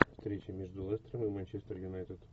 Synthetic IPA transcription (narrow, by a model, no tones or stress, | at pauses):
fst̪ɾʲet͡ɕɪmʲeʐd̪ʊlˠɛst̪ɾəmɨmɐnʲt͡ɕest̪ərjʊnajt̪ʲɪt̪